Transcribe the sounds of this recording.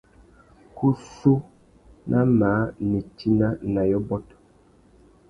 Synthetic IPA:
kʰu˦su˦ | nʔa˦maː˨˦ni˨ti˦na˦na˨jɔ˦bɔ˦t

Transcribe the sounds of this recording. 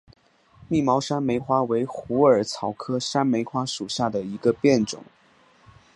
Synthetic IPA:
mi˥˩mɑ˧˥ʊʂa˥nme˧˥ɪxwa˥we˧˥ɪxu˧˥ə˞˨˩t͡sʰɑ˧˥ʊkʰɤ˥ʂa˥nme˧˥ɪxwa˥ʂu˨˩ɕja˥˩d̪ə˩i˧˥ɡə˧pjɛ˥˩nʈ͡ʂʊ̰˨˩˦ŋ

